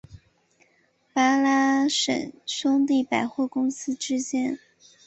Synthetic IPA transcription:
pa˥la˥ʂə̰˨˩nʂʊ˥ŋt̪̬i˥˩pa˨˩ɪxwɔ˥˩kʊ˥ŋsɹ̩˥ʈ͡ʂɻ̩˥t͡ɕjɛ˥n

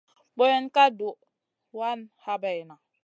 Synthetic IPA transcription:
bo˦je˨nka˦du˨ | wa˦nha˦bɛ˨jna˨

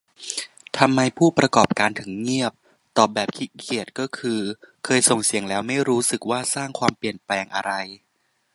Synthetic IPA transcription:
t̪ʰa˧mːa˧jpʰuː˥˩pɾa˧kɔː˨˩p̚kaː˧nt̪ʰɯ˩˦ŋːi˥˩əp̚ | t̪ɔː˨˩bɛː˨˩p̚kʰi˦˥kʰi˨˩ət̪̚kɔː˥˩kʰɯː˧kʰɤː˧jso˨˩ŋsi˨˩˦əŋlɛː˦˥wma˥˩jɾuː˦˥sɯ˨˩k̚waː˥˩saː˥˩ŋkʰwaː˧mpli˨˩ənplɛː˧ŋʔa̰˧ɾa˧j

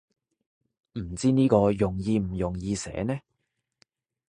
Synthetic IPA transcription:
m̩˨˩t͡siː˥niː˥kɔː˧jʊ˨˩ŋjiː˧m̩˨˩jʊ˨˩ŋjiː˧sɛ̰ː˨˥nɛ˥

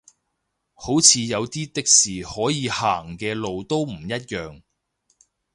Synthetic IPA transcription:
ho˨˥wt͡sʰiː˨˧jɐ˨˧wt̪iː˥t̪ɪ˨k̚siː˨˩hɔː˨˥jiː˨˧haː˨˩ŋkɛː˧lo˨˧wt̪o˥wm̩˨˩jɐ˥t̬̚jœː˨ŋ

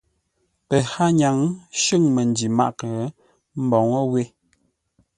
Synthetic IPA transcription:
pə˨ha˦ɲa˨˦ŋʃɨ˦˨ŋmə˨n˦di˨ma̰˦˨ʔkə˨˦ | m̩˦bɔ˨ŋə˦we˦

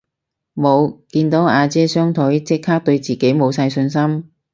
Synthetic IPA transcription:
mo˨˧wkiː˧nt̪o˨˥waː˨˧t͡sɛː˥sœː˥ŋt̪ʰɵ˨˥jt͡sɪ˥k̚haː˥k̚t̪ɵ˧ɥt͡siː˨˩ke˨˥jmo˨˧wsɐ˧jsɵ˧nsɐ˥m

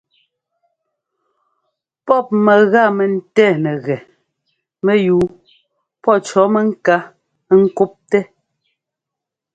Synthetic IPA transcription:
pɔ˦˨p̚mɛ˨ɣa˦˨mɛ˨n̩˦tɛː˦˨nɛ˨ɣɛ˨ | mɛ˦juː˨˦ | pɔ˦˨t͡ʃɔ˨˦mɛ˦ŋ̩˦ka˦ | ŋ̩˦ku˦p̚tɛ˦

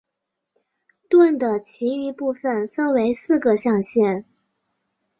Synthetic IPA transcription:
t̪wə˥˩nd̪ə˩t͡ɕʰi˧˥y˧˥pu˥˩fə˨˩nfə˥nwe˧˥ɪsɹ̩˥˩ɡə˩ɕjɑ˥˧ŋɕjɛ˥˩n

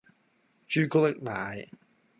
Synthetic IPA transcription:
t͡ʃyː˥ko˥lɪ˥k̚naː˨˩˦j

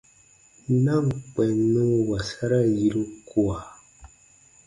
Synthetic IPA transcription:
na˦˨ŋ˨k͡pɛ˨nə˦wa˨sa˦ɾa˦ji˨ɾu˦kwa˨

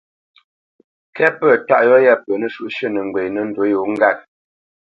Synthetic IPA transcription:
kɛ˦pə˨ta˦ʔjɔ˦jɛ˦˨pə˨nə˦ʃu˦ʔʃə˦˨nə˨ŋ˨ɡwe˨nə˦n̩˨do˨˦jo˨ŋ̩˦ɡa˦˨t̚

